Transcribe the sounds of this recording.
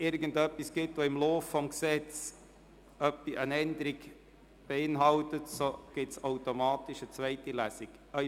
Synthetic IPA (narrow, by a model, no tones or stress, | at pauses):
ɪɾɡən̩dœpːisɡ̥ɪtʋoɪmloːffɔmksɛt͡s | œpːiʔənɛnd̪əɾiɡ | b̥eɪnɦɑltətsoɡ̥ɪtsaʊtomɑːt̪iʃət͡svɛɪtilæsik | œ